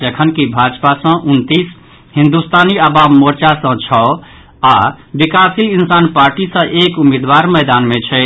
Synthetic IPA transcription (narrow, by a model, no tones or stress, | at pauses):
d͡ʒəkʰənkibʱad͡ʒpasə̃ʔunt̪is | ɦĩnd̪ust̪aniəbabmoɾt͡ʃasə̃t͡ʃʰɔ | abikasilinsanpaɾʈisə̃ʔekumed̪waɾmɛɪd̪anmet͡ʃʰɛ